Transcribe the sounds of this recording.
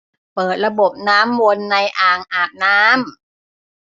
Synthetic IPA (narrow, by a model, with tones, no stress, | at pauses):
pɤː˨˩t̪̚ɾa˧bo˨˩p̚naː˦˥mwo˧nːa˧jʔaː˨˩ŋʔaː˨˩p̚naː˦˥m